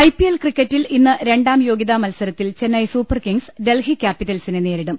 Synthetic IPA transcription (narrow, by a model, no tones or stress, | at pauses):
ɐjpːijelkrikʲːɐtːilinːɨɾeɳɖaːmjo̞ːɡiðɐmɐlsɐɾɐt̪ːilt͡ɕe̞nːɐjsuːpːɐrkiŋɡsɖe̞lhikʲːaːpːitːɐlsinene̞ːɾiɽum